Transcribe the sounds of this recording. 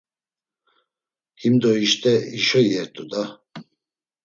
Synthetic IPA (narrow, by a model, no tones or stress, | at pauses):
himd̪ɔiʃt̪ʰʼɛiʃɔjɛɾt̪ʼud̪a